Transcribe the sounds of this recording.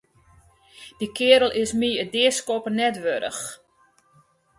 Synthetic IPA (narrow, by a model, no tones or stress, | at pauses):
d̥ikʰɪəɾəlˠʔɪsmiədɪəskopərnɛtʋøɾə̰x